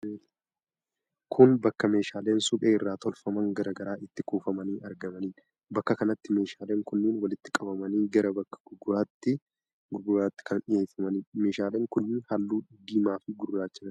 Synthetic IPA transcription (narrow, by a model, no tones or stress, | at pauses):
kʰʊnbɐkːɐme̞ːʃaːle̞ːnsʊᶑeːɪrːaːt̪ɔlfɐmɐŋɡɐɾɐɡɐɾaːʔɪt̪ːɪkuːfɐmɐniːɐɾɡɐmɐniː | bɐkːɐkɐnɐt̪ːɪme̞ːʃaːleːŋkʊnːɪnwɐlɪt̪ːɪkʼɐbɐmɐniːɡɐɾɐbɐkːɐ̥ɡʊɡʊɾaːt̪ːɪ | ɡʊɡʊɾaːt̪ːɪ̥kʰɐnᶑɪjeːfɐmɐnime̞ːʃaːleːŋkʊnːɪhalːuːᶑɪɡːiːmaːfɪɡʊɾɡɾaːt͡ʃːɐɐ